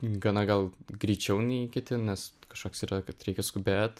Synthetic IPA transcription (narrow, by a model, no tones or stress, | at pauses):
ɡɐnɐɡɐlˠɡɾʲiːt͡ʃʲɛʊnʲɛɪkʲɪt̪ʲɪnʲɛskɐʃkoːksiːɾɐkɐt̪ɾʲɛɪkʲɛskʊbʲeːt̪